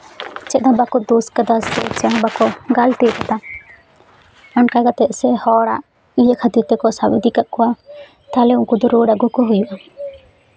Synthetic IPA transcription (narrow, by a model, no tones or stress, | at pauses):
t͡ʃɛt̪̚nabakɔd̪uskad̪asɛt͡ʃɛɦãbakɔɡalt̪ɛkat̪a | ankaɡat̪ɛʔsɛhɔɽaʔ | ijəkʰat̪iɾt̪ɛkɔsabid̪ikaʔkɔwa | t̪alɛuŋkɔd̪ɔɾoɖaɡukɔɦujuʔa